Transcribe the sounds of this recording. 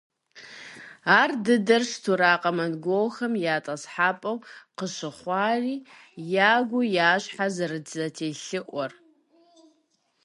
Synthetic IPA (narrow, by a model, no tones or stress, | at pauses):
aːrdɨdɐrʂtʰuɾaːqʼɐmɐnɡʷowxɐmjaːtʼɐsħaːpʼɐwqəɕɨχʷɑːriː | jaːɡʷʊjaːɕħazɐrɨdzɐtʰeːɬɨʔʷɔr